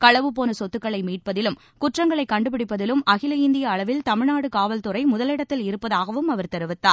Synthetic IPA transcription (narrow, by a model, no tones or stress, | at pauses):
kɐɭɐʋɯp̬oːnɐsɔt̪ːɯkːɐɭɐɪmiːʈ̚pɐðɪlɯm | kʊʈrɐŋɡɐɭɐɪkːɐɳɖɯp̬ɪɽɪpːɐðɪlɯmɐɣɪlɐɪnd̪ɪjɐːɭɐʋɪlt̪ɐmɪɻnaːɽɯkaːʋɐlt̪ɯrɐɪmʊðɐlɪɽɐt̪ːɪlɪɾɯpːɐðaːɣɐʋɯmɐʋɐɾt̪ɐɾɯʋɪt̪ːaː